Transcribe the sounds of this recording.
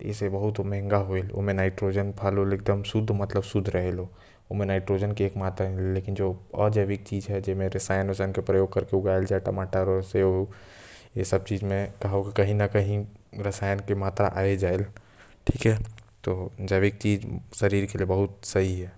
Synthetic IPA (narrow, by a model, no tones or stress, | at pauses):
t̪ɪ̰sebɐɦʊt̪mɛɦɛ̃ŋɡaɦoelo̰mẽnaːɪʈɾoːd͡ʒənpʰaːloleːk̚d̪əmsʊd̪ʱːmɐt̪ləbsʊd̪ʱɾəɦelo | omẽnaːɪʈɾod͡ʒənkeeːkmaːt̪ɾaɦelːeːkɪnd͡ʒoəd͡ʒəʋɪk̚t͡ʃiːd͡ʒɦɛd͡ʒemẽɾɪsaːjənɾɪsaːjnkepɾəjoːɡ̚kɐɾkeʊɡaːeld͡ʒaːeʈɐmaːʈaɾɔseo | jesəb̚t͡ʃiːd͡ʒmẽkɐɦaokikɐɦĩnakɐɦĩɾɪsaːjənkemaːt̪ɾa̰ʔaːed͡ʒaːel | ʈʰiːkɦɛt̪oːd͡ʒəʋik̚t͡ʃiːd͡ʒsɐɾiːɾkeliebɐɦʊt̪sɐɦiɦɛː